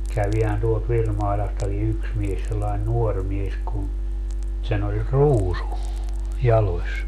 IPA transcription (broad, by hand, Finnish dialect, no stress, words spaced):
kæʋihæn tuolt ʋirmɑilɑstɑki yks mies selːɑin nuor mies kun sen olʲ ruːsu jɑlosʲ